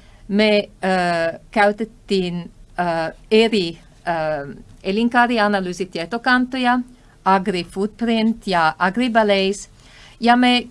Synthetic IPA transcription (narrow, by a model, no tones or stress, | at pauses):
me | kawt̪ət̪ːin | eɾi | eliŋkaɾianalysit̪jet̪okant̪oja | ʔaɡɾifud̪̚pɾɪnt̪jaʔaɡɾibalejs | jame